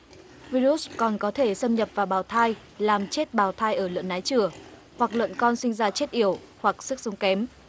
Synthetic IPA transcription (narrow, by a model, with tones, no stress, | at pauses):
vi˧ɾu˦˥kɔ˨˩nkɔ˨˦t̪ʰe˧˩sə˧mɲə˨˩p̚vaː˨˩ɓaː˧˩wt̪ʰaː˧j | laː˨˩mt͡ɕe˦˥t̚ɓaː˨˩wt̪ʰaː˧jʔəː˧˩lwə̰˧˨nʔaː˨˦jt͡ɕɨ˧˩ə | hwa˨˩k̚lwə̰˧˨nkɔ˧nsï˧ŋ̟zaː˧t͡ɕe˦˥t̚ʔi˧˩əw | hwa˨˩k̚sɨ˦˥k̚sə˨˦wŋ͡mkɛ˨˦m